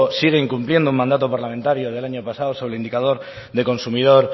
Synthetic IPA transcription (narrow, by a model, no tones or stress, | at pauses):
siɣ̞eiŋkumplje̞nd̪oumãnd̪at̪opaɾlament̪aɾjoðe̞laɲopasaosoleind̪ikað̞oɾ | ðeko̞nsumiðo̞ɾ